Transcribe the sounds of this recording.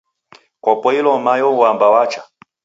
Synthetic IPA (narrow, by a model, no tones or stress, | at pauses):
kɔpɔilɔmajɔuambawat͡ʃa